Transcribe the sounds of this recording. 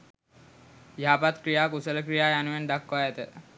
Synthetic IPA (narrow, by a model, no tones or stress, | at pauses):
jaːpat̪kɾijaːkusələkɾijaːjanuʋend̪akːajat̪ə